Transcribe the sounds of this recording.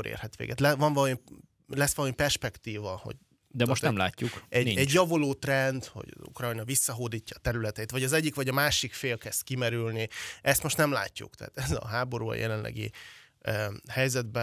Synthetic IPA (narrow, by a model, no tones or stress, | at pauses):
ɾḛːrhɛt̪ʋḛːɡɛ̰t̪lɛʋɒɱvɒl | lɛsːʋɒlmipɛrʃpɛkt̪iːvɒho̞̰ɟ | d̪ɛmoʃt̪nɛmla̰ːcːukɛniɛɟjɒvoloːt̪rɛnd̪ho̞̰ɟṵkrɒjnɒvisːɒɦoːd̪iːcːɒːt̪ɛɾylɛt̪ɛjit̪vɒɟɒzɛɟːikʋɒɟɒmaːʃikfeːlkɛst̪kimɛɾylniʔɛst̪mo̞ʃt̪nɛmla̰ːcːṵkt̪ɛɦːt̪ɛzɒ̰ɦaːbo̞ɾuːɒ̰jʔɛ̰lɛnlʔɛ̰ɡḭ | hɛjzɛd̪̚bɛ